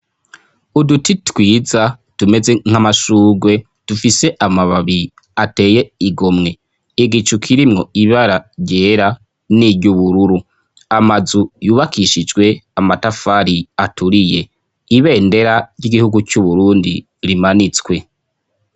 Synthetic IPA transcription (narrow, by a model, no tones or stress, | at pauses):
udutitwiːza | tume̞ze̞ŋ̥hamaʃuːɡwe̞ | d̥ufise̞ʔamaβaβi | ate̞ːje̞iɡo̞mŋe̞ | iɡit͡ʃukʰiɾimŋo̞iβaɾaɾɟeːɾa | niɾɟuβuɾuɾu | amazujuːβakʰiʃid͡ʒɡwe̞amatafaɾiatʰuɾije̞ | iβe̞ːnde̞ɾaɾjiɡihuɡucuβuɾuːndi | ɾimanit͡skwe̞